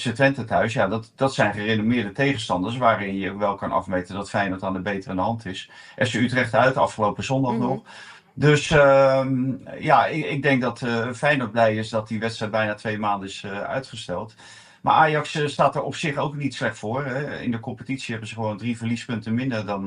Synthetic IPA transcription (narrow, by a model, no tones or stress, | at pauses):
sətʋɛntətœɥs̬jaːdɑtd̥ɑtsɛjnχərenomɪːɹdətejχənstɑndəsʋaːɾɪnjəokʋɛlˠkɑnʔɑ̰fmejtəndɑtfɛjnɔtaːndəbejtərandəɦɑntɪs | ʔɛsəytrɛχtœɥtəɑ̰fχəlowpəzɔndɑχnɔχ | døs | jaɪɪɡ̚dɛŋk̚dɑtfɛjnɔn̚blɛjɪsdɑt̚diʋɛtstrɛjt̚bɛjnaːtʋejmaːndənɪsœ̰ɥtχəstɛlˠt | ma̰ːɹʔaːjɑksstaːtəɹɔpsɪχowknitslɛχtfʊːrɛɪ̰ndəkɔmpətitsiɦɛbənzəχəʋowndrivəɹlispɵntənmɪndəɹdɑn